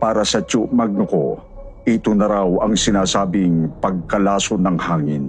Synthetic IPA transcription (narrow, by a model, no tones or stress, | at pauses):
paːɾɐsɐt͡ʃuʔmɐɡ̚nʊko | ʔɪt̪onɐɾawɐŋsɪnaːsaːbɪŋpɐɡ̚kɐlaːsonɐŋhaːŋɪn